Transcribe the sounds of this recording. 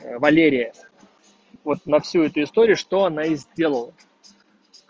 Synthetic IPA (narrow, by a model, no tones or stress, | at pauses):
vɐlʲeɾʲɪjə | vo̞t̪̚nɐfsʲuɛt̪ʊɪst̪oɾʲɪʊʂt̪o̞ɐnaizʲdʲe̞lˠəlˠə